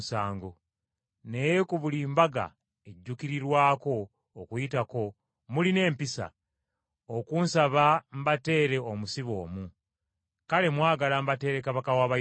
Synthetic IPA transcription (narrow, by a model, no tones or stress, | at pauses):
saːŋɡo | ne̞jekuβulimbaɡa̰ | e̞ɟːukiɾiɾwaːko̞ː | kujitako̞ | muline̞ːmpisa̰ | okuːnsaβam̩bate̞ːɾe̞omusiβo̞ːmu | kale̞mwaːɡalambate̞ɾe̞kaβakawaːβa